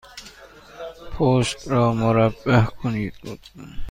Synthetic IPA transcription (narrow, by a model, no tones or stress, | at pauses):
pʰoːʃt̪ɾɔːmʊɾabːahkʰʊniːd̪bṵd̪